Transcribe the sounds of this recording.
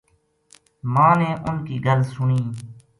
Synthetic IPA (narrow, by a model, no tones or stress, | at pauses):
mãːneːʔʊnkiːɡəlsʊniː